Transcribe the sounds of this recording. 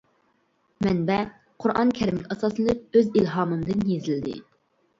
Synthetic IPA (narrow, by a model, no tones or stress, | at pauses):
mɛnbɛ | qʰʊɾʔɑnkʲʰɛɾɪmɪkʲɑsɑsɨlˠɨp̚øzilɦɑːmɨmd̪ɨnjezɪld̪ɪ̰